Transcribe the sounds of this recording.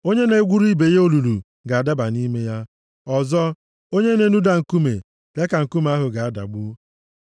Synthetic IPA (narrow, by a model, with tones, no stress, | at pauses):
o˦ɲe˦ne˦ɡʷu˦ɾi˦be˨jo˦lu˨lu˨ | ɡa˨a˨da˦ba˨ni˦me˦ja˦ | ɔ˨zɔ˦ | o˦ɲe˦ne˨nu˦da˨ŋ̩˨ku˦mḛ˨ | le˦ka˨ŋ̩˨ku˦m˦a˦ɦʊ˨ɡa˨a˦da̰˨ɡ͡bu˦